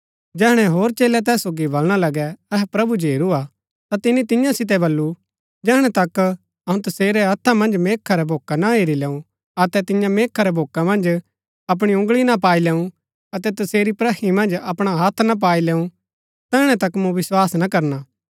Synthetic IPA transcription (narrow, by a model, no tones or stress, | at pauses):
d͡ʒɛːɦɽ̃ɛɦoːɾt͡ʃeːlɛt̪̬ɛːsːoːɡibɐlɽ̃alɐɡɛɛɦɛpɾɐbud͡ʒʱeːɾua | t̪at̪ɪnːit̪ɪjãsɪt̪̬ɛbɐlːu | d͡ʒɛːɽ̃ɛ̃t̪ɐk | ɐɦũt̪ɐseːɾɛɦɐt̪ʰːamɐ̃nd͡ʒmeːkʰːaɾɛbʱoːkanaɦeːɾilɛːũ | ɐt̪ɛt̪ɪ̃jãmeːkʰːaɾɛbʱoːkamɐ̃nd͡ʒ | ɐp̬ɽ̃iʊ̃ŋɡɭinapaːilɛːũ | ɐt̪ɛt̪ɐseːɾipɾɐɦimɐ̃nd͡ʒɐpɽ̃aɦaːt̪ʰnap̬aːilɛːũ | t̪ɛːɦɽ̃ɛ̃t̪ɐkmũʋɪswaːsnakɐɾnaː